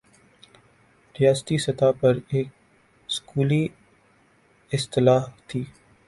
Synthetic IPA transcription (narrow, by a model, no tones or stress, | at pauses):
ɾijaːst̪isɐt̪aːpɐɾeːk̚ | skuːliː | ɪst̪ɪlaːɦt̪ʰiː